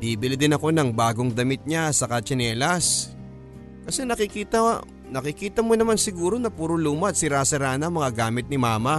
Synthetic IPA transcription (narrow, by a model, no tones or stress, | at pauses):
d̪iːbɪlɪd̪ɪnɐko̞nɐŋbaːɡo̞ŋd̪ɐmɪt̪̚ɲasɐkɐt͡ʃɐnɛːlɐs | kɐsɛnɐkɪkiːt̪ɐ | nɐkɪkiːt̪ɐmonɐmansɪɡuːɾo̞nɐpuɾʊluːmɐɐt̪̚sɪɾaːsɐɾaːnɐŋmɐŋaɡaːmɪt̪̚nɪmaːmɐ